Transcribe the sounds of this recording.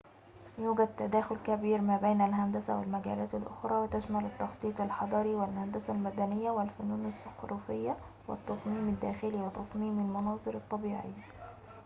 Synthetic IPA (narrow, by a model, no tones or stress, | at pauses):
juːɡæd̪̚t̪ːad̪æːxʊlkæbiːɾmæːbeːnælɦand̪æsa̰wɪ̰lmæɡæ̰ːlæːt̪alʔʊ̰xɾˤɑːwɪt̪aʃmælɪt̪ːɑxt̪ˤiːt̪ˤɪlħɑd̪ˤɑɾiwɪlhand̪æsalmæd̪ænɪjːawɪlfʊnuːnɪsɑxɾuːfɪjːa | wɪ̰t̪ːɑsˤmiːmɪd̪ːæːxɪliwɪt̪ɑsˤmiːmɪlmʊnɑːzˤɨɾɑt̪ˤːɑbiːʕɪ̰jːa